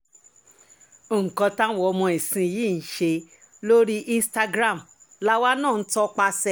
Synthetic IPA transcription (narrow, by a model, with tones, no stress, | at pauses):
o˨ŋ̩˨kɔ̃˧tã˦wɔ˦˧mɔ̃˧i˨sĩ˧˨jiː˦˨n̩˨˦ʃe˧ | lo˦ɾi˦ʔĩ˧˦sta˧ɡɾa˦˨m | la˦wa˦nãː˦˨n̩˦tɔ˦k͡pa˧sɛ˦˨